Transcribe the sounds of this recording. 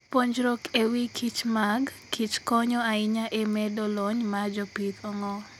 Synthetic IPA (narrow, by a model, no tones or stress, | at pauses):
poɲd͡ʒɾokewikʰit͡ʃmaɡ | kit͡ʃkɔɲɔaɪɲaʔemɛdɔlɔɲmad͡ʒɔpit̪ɔŋɔ